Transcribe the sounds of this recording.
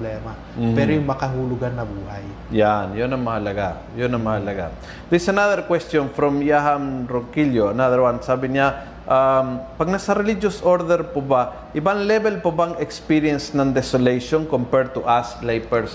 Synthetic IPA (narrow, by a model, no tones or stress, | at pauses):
lɛːma | mpɛɾojʊŋmɐkɐɦulʊɡanːɐbuːhaj | janjʊnɐŋmɐhɐlɐɡa | jʊnɐŋmɐhɐlɐɡa̰ | d̪ɪsɐnaðɛɾkwɛst̪jonfɾɔmjaɦɐmɾoŋkiljoɐnaðɛɾwansaːbɪɲa | ʔampɐɡ̚nɐsɐɾɛlid͡ʒosʔoɾd̪ɛɾpoba | ʔɪbaŋlɛbɛlpɐbaŋɛkspiɹiɛnsnɐŋd̪ɛsolejʃonkompɛɹ̚t̪uʔaslajpɛɹs